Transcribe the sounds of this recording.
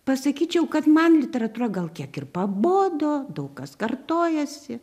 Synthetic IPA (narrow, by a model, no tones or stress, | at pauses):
pɐsɐkʲiːt͡ʃʲɛʊkɐt̪mɐnlʲɪt̪ʲɛɾɐt̪uːrɐɡɐlˠkʲiɛkɪrpɐboːd̪oːd̪ɐʊkkɐskɐrt̪oːjɛsʲɪ